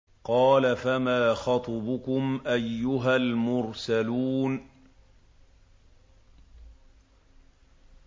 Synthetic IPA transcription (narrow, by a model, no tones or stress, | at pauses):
qɑːlafamaːxɑt̪ˤɑbʊkʊmʔajːʊɦalmʊɾsaluːn